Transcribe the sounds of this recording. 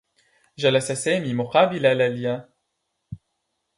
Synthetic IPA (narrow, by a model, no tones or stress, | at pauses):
ʒalasasɛmimoqabilalalija